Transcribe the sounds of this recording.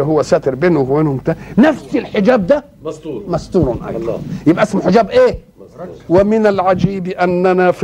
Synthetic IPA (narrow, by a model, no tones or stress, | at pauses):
ɦʊwːasæt̪ɪɾbeːnhweːnhʊmt̪anafsɪlħɪd͡ʒaːb̚d̪a | mast̪uːɾnʔa̰kːjɪbʔæʔasmaħɪd͡ʒaːbʔeː | wɪmɪnalʕad͡ʒiːbʔanːanaf